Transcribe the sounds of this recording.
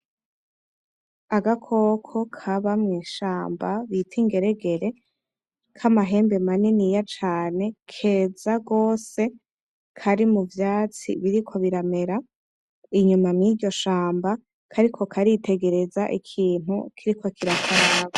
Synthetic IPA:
aɡakʰo̞kʰo̞kʰaβamŋiːʃaːmbaβitʰiŋɡe̞ɾe̞ɡe̞ɾe̞ | kʰamaɦe̞ːmbe̞maninijat͡ʃaːne̞kʰe̞ːzaɡo̞ːse̞ | kʰaɾimuvjaːt͡sḭβiɾikʰo̞βiɾame̞ɾa | iɲumamŋiːɟo̞ʃaːmba | kʰaɾikʰo̞kʰaɾite̞ɡe̞ɾe̞zaʔikʰiːn̥hṵkʰiɾikʰo̞kiɾakanaβo

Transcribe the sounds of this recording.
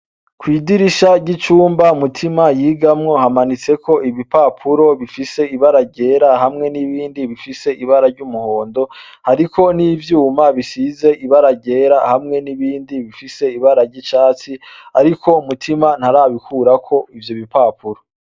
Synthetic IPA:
kwiːdiɾiʃaɟit͡ʃuːmbamutʰimajiːɡamŋo̞hamanit͡se̞kʰo̞ʔiβipapʰuɾo̞βifise̞iβaɾaɟe̞ːɾaɦamŋe̞niβiːndiβifise̞ʔiβaɾaɾɟumuho̞ːndo̞ | haɾikʰo̞nivjuːmaβisize̞ʔiβaɾaɟe̞ːɾahamŋe̞niβiːndiβifise̞iβaɾaɾɟit͡ʃaːt͡siaɾikʰo̞umutʰiman̥haɾaːβikʰuɾakʰo̞ivjoβipaːpuɾo̞

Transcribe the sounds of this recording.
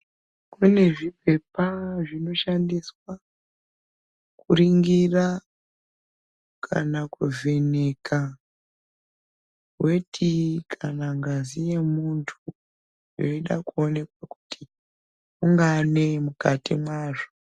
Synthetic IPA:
kune̞ʐipe̞paʐino̞ʃandiswa | kuɾiŋɡira | kʰa̰nakuve̞ne̞kʰa | we̞tʰikʰanaŋɡazije̞muntʰu | joiɗakuone̞kwaku̥tʰi | uŋɡane̞mukatimwaːʐo

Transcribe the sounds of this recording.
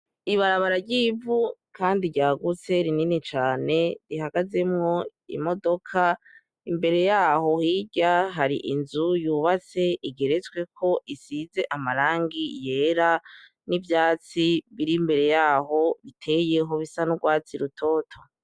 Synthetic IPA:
iβaɾaβaɾaɾɟiːvu | kʰaːndiɟaːɡut͡se̞ɾininit͡ʃaːne̞ɾiɦaɡaze̞mŋo̞ḭmo̞do̞kʰa | imbe̞ɾe̞jaːho̞hiɟaɦaɾḭʔinzujuːβat͡se̞iɡe̞ɾe̞t͡swe̞kʰo̞ʔisize̞ʔamaɾaːŋɡije̞ːɾa | nivjaːt͡siβiɾimbe̞ɾe̞jaːɦo̞βitʰe̞je̞ɦo̞βisanuɡwaːt͡siɾutʰo̞ːtʰo

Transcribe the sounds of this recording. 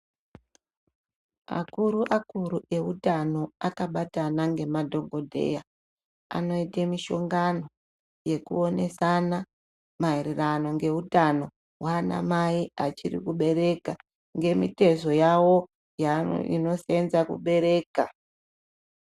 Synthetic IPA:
a̰kuɾuʔakuɾuʔe̞utano̞akaɓatanaŋɡe̞madʱo̞ŋɡo̞dʱe̞̰ja | a̰no̞itemiʃo̞ŋɡano̞ | je̞kṵo̞ne̞sana | mairirano̞ŋɡe̞utano̞ | waːna̰maiat͡ʃirḭkuɓe̞ɾe̞ka | ŋɡe̞mite̞zo̞jawo̞ | ja̰ḭno̞senzakṵɓe̞ɾe̞ːka

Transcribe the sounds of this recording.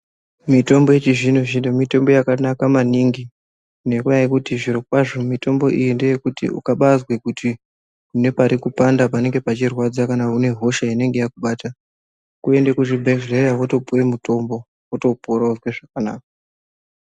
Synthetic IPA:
mito̞mbo̞jet͡ʃiʐinoʐinomito̞mbo̞jakanakamaniŋɡi | une̞kuaikutiʐiɾo̞kwaʐomito̞mbo̞ʔijindejekutḭṵkaɓazwekutʰi | kune̞paɾikupandapane̞ŋɡe̞pat͡ʃirwad͡zakanaune̞ɦo̞ʃaine̞ŋɡe̞jakuɓaːta | kue̞ndekuʐibʱeʐrejaʋoto̞puremuto̞mbo | oto̞poɾauzweʐakanaːk̚a

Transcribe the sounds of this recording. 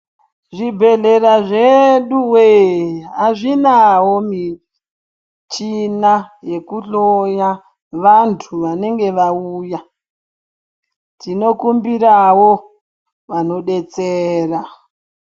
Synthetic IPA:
ʐibʱe̞ɮe̞ɾaʐeɗuweaʐinawomi | t͡ʃinaje̞kuɬoja | ʋantʰuʋane̞ŋɡe̞ʋauːja | tino̞kumbiɾawo | ʋano̞ɗet͡seːra

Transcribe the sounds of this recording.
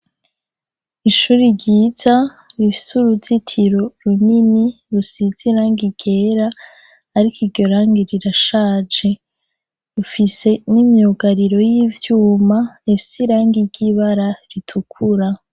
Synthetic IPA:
iʃuːɾiɾɟiːza | ɾifi̥suɾuzitʰiɾo̞ɾunini | ɾusiziɾaːŋɡiɡe̞ːɾaː | ɾikiɾɟo̞ɾaːŋɡiɾiɾaʃaːd͡ʒe̞ | ufise̞nimjuɡaɾiɾo̞jivjuːmaifisiɾaːŋɡiɾɟiβaɾaɾitʰukʰuɾa

